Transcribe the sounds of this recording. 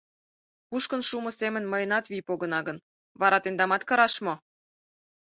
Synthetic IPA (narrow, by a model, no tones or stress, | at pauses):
puʃkə̆nʃumŏsemə̆nməjənɑt̪βipoɣə̆nɑɣən | βɑɾɑt̪end̪ɑmɑt̪kɤ̆ɾɑʃmo